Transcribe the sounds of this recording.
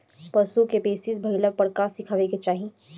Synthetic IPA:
pɐsukepeːsɪsbʱɐɪləb̚pɐɽkaːsɪkʰaːʋeket͡ʃaːɦi

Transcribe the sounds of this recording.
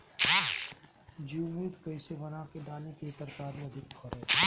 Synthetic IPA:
d͡ʒiʊmiːd̪kɐɪsebɐnakeɖaːlekiːt̪əɾkaːɾiɐd̪ʱɪkkʰɔɾeː

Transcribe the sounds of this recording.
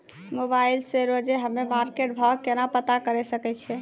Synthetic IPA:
mobailseɾod͡ʒeɦəmemaɾkeʈbʱakenapət̪akəɾɛsəkɛt͡ʃʰɛ

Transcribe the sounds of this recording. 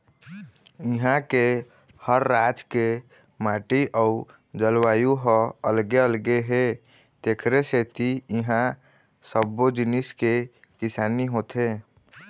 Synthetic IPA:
ɪɦãke | həɾːad͡ʒke | maːʈiʔəu | d͡ʒəlwaːjuɦɔəlɡeəlɡeɦe | t̪eːkʰɾeset̪iiɦã | səbːod͡ʒiniske | kɪsaːniɦot̪e

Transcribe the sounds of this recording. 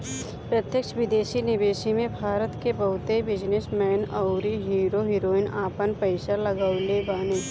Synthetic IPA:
pɾət̪jəkʃʋɪd̪eːʃinɪbeːʃimẽbʱaːɾət̪kebɐɦʊt̪ebɪd͡ʒnɪsmɛːnaʊɾiɦiːɾoɦiːɾoːɪnaːpənpəɪʃaləɡalebaːne

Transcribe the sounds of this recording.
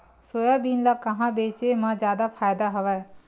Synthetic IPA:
soːjabinlakɐɦãbeːt͡ʃemãd͡ʒjaːd̪apʰaːjd̪aɦɐʋɛ

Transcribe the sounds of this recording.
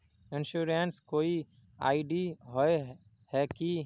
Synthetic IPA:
ɪnʃuɾenskoːi | a̰ːɪɖiɦoe | hɛki

